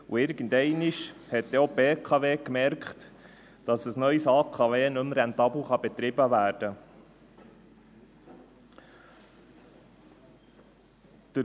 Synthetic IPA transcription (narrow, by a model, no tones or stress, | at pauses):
uɪɾɡ̥ən̩dɛɪniʃhɛtdɛobeːkʰɑʋeːkmɛɾkχt | d̥ɑsəsnœʏsɑːkʰɑʋeːnɵmɾɛnt̪ɑbl̩ˠχɑbɛt̪ɾɪbəʋæːɾd̥ə | d̪̥ə